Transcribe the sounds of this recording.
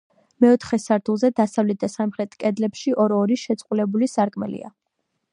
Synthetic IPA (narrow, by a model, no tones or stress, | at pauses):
mɛɔt̪ʰχɛsaɾt̪ʰulˠzɛd̪asavlɛt̪̚d̪asamχɾɛt̪ʰʼkʼɛd̪lɛpʃiʔɔɾɔɾiʃɛt̪sʼqʼulɛbulisaɾkʼmɛlḭa̰